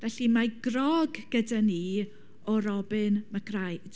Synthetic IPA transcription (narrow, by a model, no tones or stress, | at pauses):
vɛɬimaɡrɔɡɡədani | ɔɾɔbɨnmaɡrajd̥